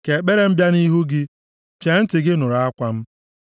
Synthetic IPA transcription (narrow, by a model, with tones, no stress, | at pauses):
ke˨k͡pe˦ɾe˦m̩˦bja˦ni˦ɦu˦ɡɪ˦ | t͡ʃe˨n̩˦tɪ˨ɡɪ˦nʊ˨ɾa˨a˦kʷa˦m̩˦